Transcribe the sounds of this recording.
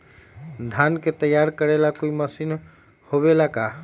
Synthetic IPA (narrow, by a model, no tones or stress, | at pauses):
d̪ʱanket̪əjaɾkəɾelakoiməsin | hoβelaka